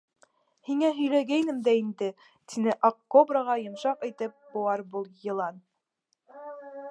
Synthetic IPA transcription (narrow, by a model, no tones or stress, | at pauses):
hiŋæɦɵ̆jlæɡæjnɘmd̪æind̪ɘ | t̪ʰinɘʔɑqːobrɑʁɑjɤ̆mʃɑqit̪ɘp̚buwɑɾbulˠjɤ̆lˠɑn